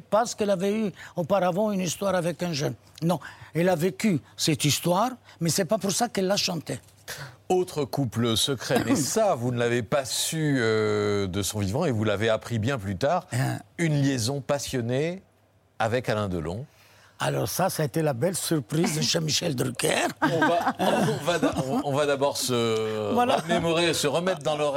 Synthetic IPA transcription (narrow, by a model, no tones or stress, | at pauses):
paʁsə̥kɛlavɛyopaʁavɑ̃ynist̪waʁavɛkɛ̃ʒœn | nɔ̃ɛlavekysɛt̪ist̪waʁmɛsɛpapuʁsakɛlːaʃɑ̃t̪ɛ | ot̪χəkupləsəkχɛmɛsavunlavepasyød̪əsɔ̃vivɑ̃evulaveapχibjɛ̃plyt̪aːʁynljezɔ̃pasjɔne | avɛkalɛ̃d̪əlɔ̰̃ | a̰lɔʁsasaːet̪elabɛlsyʁpχizʃemiʃɛld̪ɾykɛ̰ʁɔ̃vaɔ̃vadãɔ̃vad̪abɔʁsəvwalamemɔʁesəʁəmɛt̪̚d̪ɑ̃lɔ